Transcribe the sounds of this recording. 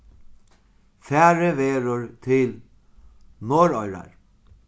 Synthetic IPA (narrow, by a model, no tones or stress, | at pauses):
fɛːɾəʋeːɾʊɹt̪ʰɪl | noːɾɔjɾa̰ɹ